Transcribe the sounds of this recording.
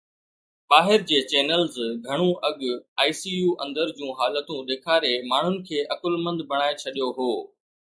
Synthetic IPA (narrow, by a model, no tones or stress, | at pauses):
ɓaːɦɪɾd͡ʑeːt͡ɕɛːnəlzɡʱɐɽ̃ũʔɐɠaːisiːjuːʔɐ̃nd̪əɾd͡ʑũːɦaːlət̪ũɗeːkʰaːɾemaːɳ̤ʊnɪ̆kʰeːʔɐkʊlmə̃nd̪bʱɐɽ̃aːet͡ɕʰɐɗijoɦoː